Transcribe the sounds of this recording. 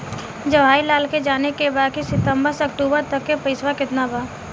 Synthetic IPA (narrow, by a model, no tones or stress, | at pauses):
d͡ʒɐʋaːilaːlked͡ʒaːnekebaːkisɪt̪ə̃mbəɾsɐkʈuːbəɾt̪ɐkːepɐɪsʋakɪt̪nabaː